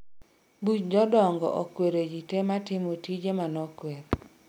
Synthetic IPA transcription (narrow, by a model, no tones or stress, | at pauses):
but͡ʃd͡ʒɔdɔŋɡɔ̰ʔɔkweɾed͡ʒitematɪmotid͡ʒemanɔkweɾ